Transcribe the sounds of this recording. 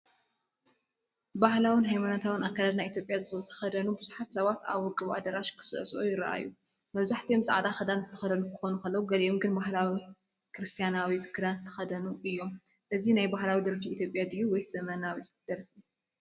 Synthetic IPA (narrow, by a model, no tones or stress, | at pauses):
bahlawɨnɦajmanat̪ʰawɨnakʰːalad̪najit̪ʰjopʼjazɨzɨt̪ʰɐ̥xɐd̪ɐnubɨzuħat̪sɐβat̪a̰βwɔkʼːɨβʔa̰d̪ɐɾaʃkʰɨ̥sɨʔsʔujɪɾɐ̰ʔa̰jːu | mɐβzaħt̪ʰijomsʼaʕad̪axɐd̪anzɨt̪ʰɐxɐd̪ɐnukʰɨ̥xo̞nukɐlːɐwuɡɐlijomɡɨnbahlawi | kɾɨst̪ʰijanawisɨ̥kʰːɨd̪anzɨt̪ʰɐ̥xɐd̪ɐnuɨjːo̞m | ʔɨzinajbahlawid̪ɐɾfiit̪ʰjo̞pʼːjad̪ɨjːuwɔjsɐmɐnawi | d̪̥ɐɾfi